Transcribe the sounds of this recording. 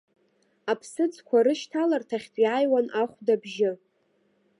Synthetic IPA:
apʰsɨd͡zkʷʰaɾɨʃtʰalartʰaχʲtʼjajwanaχʷdabʒɪ

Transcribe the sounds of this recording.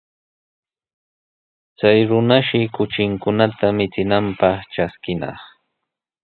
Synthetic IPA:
t͡sajɾʊnaʃɪkʊt͡ʃɪŋkʊnat̪amɪt͡sɪnampɑχʈ͡ʂaskɪnɑ̰χ

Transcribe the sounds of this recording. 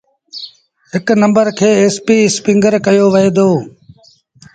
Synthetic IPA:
ɦɪknə̃mbəɾkʰeːeːspiːspɪ̃ŋɡəɾkəjoːʋəɦeːd̪oː

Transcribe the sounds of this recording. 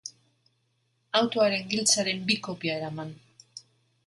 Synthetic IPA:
awt̪oaɾe̞ŋɡilt͡saɾe̞mbiko̞piaeɾaman

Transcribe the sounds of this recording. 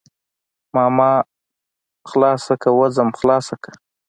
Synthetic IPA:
mɑmɑ | xlɑsakawazamxlɑsakḁ

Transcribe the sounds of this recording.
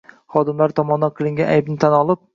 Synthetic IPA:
χɒd̪ɪmlaɾt̪ʰɒmɒnd̪anqʰɨlˠɪŋɡʲanajbnɪt̪ʰanɒlˠɪp̚

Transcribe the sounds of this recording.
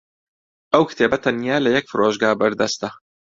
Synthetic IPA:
ʔɐwkɨ̥t̪ʰeːbɐt̪ʰɐnijaːlɐjɛk̚fɨɾoːʒɡaːbɐɾd̪ɐst̪ɐ

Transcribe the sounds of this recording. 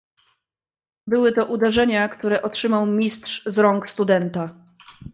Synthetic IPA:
bɘwɘt̪ɔʔud̪ɛʐɛɲakt̪uɾɛʔɔtʂɘmawmʲistʂzɾɔŋkst̪ud̪ɛnt̪a

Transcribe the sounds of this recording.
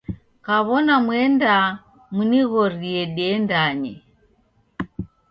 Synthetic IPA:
kaβɔnamwɛnda | muniɣɔɾiɛɗɛndaɲɛ

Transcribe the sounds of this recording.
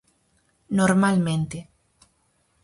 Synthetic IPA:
noɾmalmẽnt̪e

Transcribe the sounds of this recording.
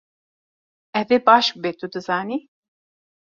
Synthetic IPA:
ɛvebaʃbet̪ʰud̪ɨzaːni

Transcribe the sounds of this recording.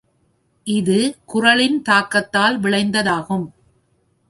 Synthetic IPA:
ʔɪðɯkʊrɐlɪnt̪aːkːɐt̪ːaːlʋɪɭɐɪnd̪ɐðaːɣɯm

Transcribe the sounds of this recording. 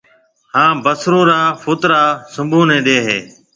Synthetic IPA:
hãːbəsɾõːɾaːfʰoːt̪ɾaːsʊmbʱũːnẽːɗeːɦeː

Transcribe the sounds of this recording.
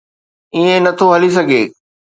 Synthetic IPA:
iẽnɐt̪ʰoɦɐlis̬ɐɡʱeː

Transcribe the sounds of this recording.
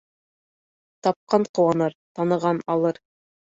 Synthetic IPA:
t̪ɑp̚qɑɴqŏwɑnɤɾt̪ɑnɤ̆ʁɑnɑlˠɤɾ

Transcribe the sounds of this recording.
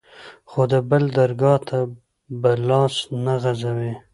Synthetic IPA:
xod̪əbəld̪aɾɡɑt̪ʰa | bəlɑsnaɣazawe

